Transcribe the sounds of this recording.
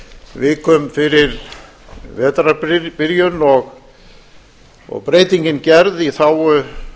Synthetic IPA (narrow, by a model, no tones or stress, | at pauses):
vɪːkːʏmfɪɾɪɾ | vɛːt̪ɾapɪɾjʏnɔɣ | ɔ̰ɣpɾeːjt̪iɲcɪncɛɾðiθaw